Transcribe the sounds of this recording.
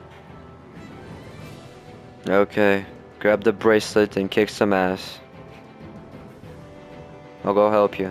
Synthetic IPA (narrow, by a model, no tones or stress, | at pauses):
oʊkʰeɪ | ɡ̥ɹæb̚ðəbɹɛslɪtɨ̃nkʰɪksə̃mæs | aɪlˠɡoʊɦɛlˠpʰju